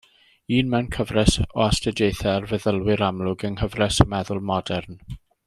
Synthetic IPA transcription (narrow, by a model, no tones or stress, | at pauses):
iːnmɛwnkʰəvrɛsɔastədejθɛrvɛðəlˠwɪɾamlʊɡənkəvrɛsəmɛðʊlˠmɔdɛrn